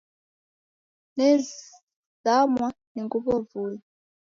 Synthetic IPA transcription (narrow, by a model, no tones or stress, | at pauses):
nɛ | zamwaniŋɡuβɔvuɲi